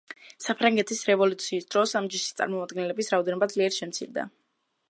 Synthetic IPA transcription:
sapʰɾaŋɡɛt̪ʰisɾɛvɔlut̪sʰiːsd̪̥ɾɔsamd͡ʒiʃi̥st̪sʼa̰ɾmɔmad̪̚ɡɛnlɛbisɾaɔd̪ɛnɔbad̪zliɛɾʃɛmt̪sʰḭɾd̪a̰

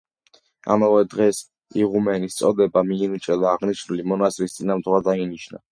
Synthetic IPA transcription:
a̰mavɛd̪ʁɛs | iʁumɛnist̪sʼɔd̪ɛbamiːnt͡ʃʼɛd̪aːʁniʃnulimɔnasɾist̪sʼinamd̪wad̪ainiʃna̰

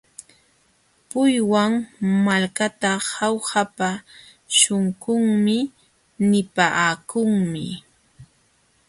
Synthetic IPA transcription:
pʊjwaŋmalkat̪ahawhapa | ʃʊŋkʊŋmɪ | nɪpaːkʊŋmɪ̰

